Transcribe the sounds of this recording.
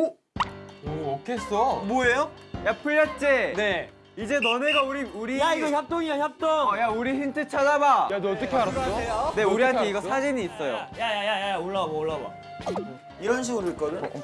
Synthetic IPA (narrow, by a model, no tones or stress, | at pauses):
o | ookʰes͈ʌmwoejojapʰɯʎːʌt̚t͡ɕ͈ene̞ | id͡ʑe̞nʌneɡauɾiuɾijaiɡʌçap̚t͈oŋiaɲap̚t͈oŋjauɾiçintʰɯt͡ɕʰadabajadːt͈ːʌkʰemaɾasejone̞uɾiɦantʰe̞iɡʌsʰad͡ʑiɲiːs͈ʌjo̰jajajajajaoɭːabooɭːaba̰ | iɾʌnɕ̬ʰiɡɯɾoik͈ʌdɯn